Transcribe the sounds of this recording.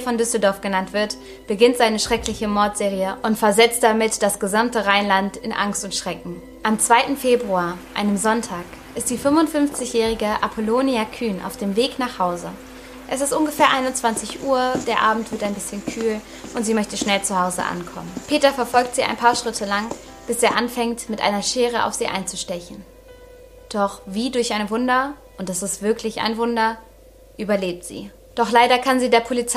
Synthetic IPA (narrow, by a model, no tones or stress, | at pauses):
fɔndʏsl̩dɔɐfɡ̥ənantv̥ɪɐt | b̥əɡɪntz̥aɪnəʃʁ̥ɛklɪçəmɔɐtz̥eːʁiəʔʊntfɛɐzɛt͡st̚d̥amɪtd̥asɡ̥əzamtəʁaɪnlantɪnʔa̰ŋstʊntʃʁ̥ɛkŋ̩ | ʔamt͡sv̥aɪtn̩feːbʁuaːɐʔa̰ɪnəmzɔntʰaːk | ʔɪst̚d̥iːfʏmvʊntfʏnft͡sɪçjɛːʁ̞ɪɡəʔapʰoloːniakʰyːnʔa̰ʊfd̥eːmveːknaːχhaʊzə | ʔɛsɪstʔʊnɡəfɛːɐʔaɪnʊnt͡sv̥ant͡sɪçʔuːɐd̥eːɐʔaːbm̩tv̥ɪɐtaɪnbɪsçənkʰyːl | ʔʊntz̥iːmœçtəʃnɛlt͡suhaʊzə̰ʔa̰nkʰɔ̰mənpʰeːtɐfɛɐfɔlk̚tz̥iːa̰ɪnpʰaːɐʃʁ̥ɪtʰəlaŋ | b̥ɪseːɐʔanfɛŋtmɪtʔa̰ɪnɐʃeːʁ̞əʔa̰ʊfz̥iːʔa̰ɪnt͡suʃtɛçn̩ | d̥ɔχviːdʊɐçʔaɪnəvʊndɐʔʊntɛsɪstv̥ɪɐklɪçʔa̰ɪnvʊndɐ | ʔyːbɐleːp̚tz̥ḭː | d̥ɔχlaɪɾɐkʰanziːdeːɐpʰolit͡s